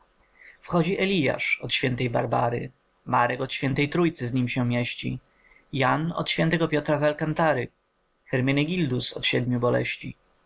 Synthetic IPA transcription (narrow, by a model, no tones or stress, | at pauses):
fxɔd͡ʑiʔɛlʲija̰ʂɔt̪ɕfʲjɛnt̪ɛjbaɾbaɾɘ̰ | maɾɛkɔt̪ɕfʲɛnt̪ɛjt̪ɾujt̪sɘzɲimɕɛmʲjeɕt͡ɕḭ | janɔ̰t̪ɕfʲjɛnt̪ɛɡɔpʲjɔt̪ɾazalkant̪aɾɘ | xɛɾmʲinɘɡʲild̪usɔ̰t̪ɕɛd̪mʲubɔlɛ̰ɕt͡ɕḭ